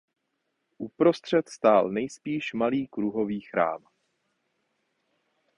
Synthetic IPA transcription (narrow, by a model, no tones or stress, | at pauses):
ʔupɾo̞st̪r̝̥ɛt̪st̪aːlnɛjspiːʃmaliːkɾuɦo̞viːxɾa̰ːm